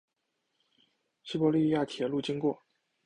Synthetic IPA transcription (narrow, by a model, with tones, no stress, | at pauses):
ɕi˥pɔ˧˥li˥˧ja˥˩t̪ʰjɛ˨˧˥lu˥˩t͡ɕi˥ŋkwɔ˥˩